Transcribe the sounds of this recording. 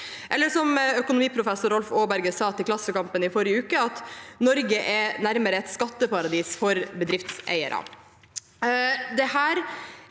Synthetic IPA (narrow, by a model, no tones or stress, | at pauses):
ʔɛlːəʂɔmœkʊnʊmiːpʰɾʊfɛsʊɾɔlfoːbæɾɡəsɑːt̪ʰɪlklɑsːəkɑmpənɪfɔɾɪəʉːkəɑt̪nɔɾɡəʔɛnæɾməɾəɛt̪skɑt̪ːəpɑɾɑd̪iːsfɔɾbəd̪ɾɪft̪sæ̰ɪə̰ɾɑ̰ | d̪ɛhæːɾ